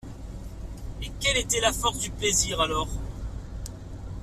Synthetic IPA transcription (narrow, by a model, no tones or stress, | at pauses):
ekʲɛlet̪ɛlafɔʁsd̪ypleziʁalɔʁ